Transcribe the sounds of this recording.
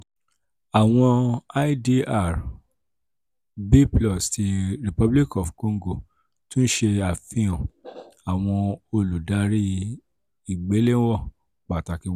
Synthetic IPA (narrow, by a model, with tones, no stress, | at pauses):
a˨w̃ɔ̃˧a˦i˦di˧a˦˨ɾ | bi˦plɔ˦˨sti˧ɾi˨pɔ˦bli˦kɔ˨fko˧ŋ˦ɡo˨ | tũ˦n̩˦ʃe˧a˨fĩ˧ɔ̃˨a˨w̃ɔ̃˧o˧lu˨da˨˦ɾi˦ | i˦˨ɡ͡be˨˦lẽ˦wɔ˦˨ | k͡pa˨ta˨ki˧˦˨